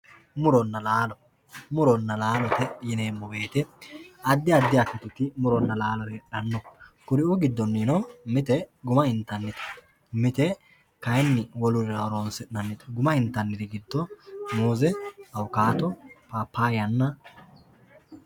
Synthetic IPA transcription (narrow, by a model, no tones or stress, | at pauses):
mʊɾɔnːɐlaːlɔ | mʊɾɔnːɐlaːlɔt̪ɛjɪneːmːɔɡe̞ːt̪ɛɐd̪ːɪɐd̪ːɪjaɐt̪ːɪt̪ːʊt̪ɪmʊɾɔnːɐlaːlɔɾɛɐnːɔkʊɾɪʊɡɪd̪ːɔnːinɔmɪt̪ɛɡʊmɐɪnt̪ːɐnːɪt̪ɛ̥ | mɪt̪ɛ | kɐjnːɪwɔlʊɾɐɾoːnsɛnɐnːɪt̪ɛ̥ɡʊmɐɪnt̪ːɐnːɪd̪ɪɡɪd̪ːɔmuːzɛɐwʊkaːt̪ɔpaːpːaːjɐnːɐ